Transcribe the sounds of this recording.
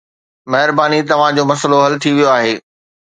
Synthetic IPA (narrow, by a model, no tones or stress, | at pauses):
mɐɦɪɾbaːnit̪ɐʋ̤ãd͡ʑoːmɐsəloɦɐlt̪ʰiʋijoaːɦeː